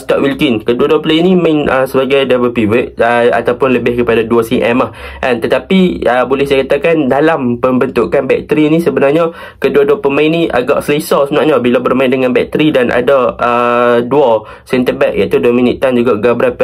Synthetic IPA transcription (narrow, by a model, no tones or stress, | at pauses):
st̪aʔwilkinkəduaduaplainimãɪnəsəbaɡajdabəlpiwəʔ̪̚əa̰t̪awpʊnləbɪhkəpadaduasiʔɛmahʔɛnt̪ət̪apiəbolɛhsajakat̪akandalampəmbənt̪uʔkanbɛ̰k̚t̪əɾinĩsəbənarɲa | kəduaduapəmainĩʔa̰ɡa̰ʔsəlesasnaʔɲabilabərmãɪ̃ndəŋãnbɛk̚t̪əɾidanʔa̰daədua | sɛnt̪əbɛk̚jʔa̰ʔt̪uduaminḭʔt̪ːand͡ʒuɡaʔɡabəɾapa